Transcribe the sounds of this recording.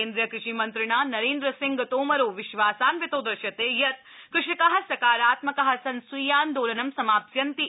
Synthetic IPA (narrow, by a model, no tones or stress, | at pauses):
eːnd̪ɾijɐkɾɪʂiːmɐnt̪ɾɪɳ̃aːnɐɾeːnd̪ɾɐsɪŋɡt̪oːmɐɾoːʋɪʃʋaːsaːnʋit̪oːd̪ɾɐʃjɐt̪eːjɐt̪̚ | kɾɪʂɐkɐɦɐsɐkaːɾaːt̪mɐkɐɦɐsɐnsujaːnd̪oːlɐnɐmsɐmaːpsjɐnt̪i